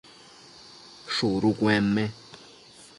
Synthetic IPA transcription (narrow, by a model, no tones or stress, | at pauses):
ʃuɾukwɛːmɛ